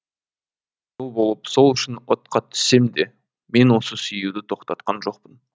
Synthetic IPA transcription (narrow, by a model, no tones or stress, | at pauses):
ʒolˠbo̞lˠəpso̞lˠʏʃɪnwot̪̚qɑt̪ʰʏ̥se̞md̪e̞ | me̞nwo̞səsʏjuwd̪ɪt̪ʰo̞qt̪ɑt̪̚qɑnʒo̞qpən